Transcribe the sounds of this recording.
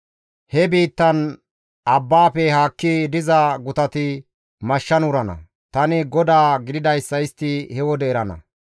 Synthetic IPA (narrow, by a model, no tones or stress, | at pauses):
hɛbiːt̪ːɐn | ɐbːaːpɛhaːkːid̪ɪzɐɡʊt̪ɐt̪ɪ | mɐʃːɐnʊɾɐnɐ̰ | t̪ɐnɪɡɔd̪aːɡɪd̪ɪd̪ɐjsːɐɪst̪ːɪhɛwɔd̪ɛːɾɐnɐ̰